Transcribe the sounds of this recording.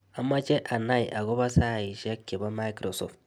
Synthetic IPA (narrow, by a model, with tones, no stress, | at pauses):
ʔa˨mːa˦t͡ʃe˦ʔa˨na˦˨jʔa˨ɡo˦ba˦sa˦˨ji˨ʃa˦kʲːe˨ba˦ma˦jkɾo˨sɔ̰˨ft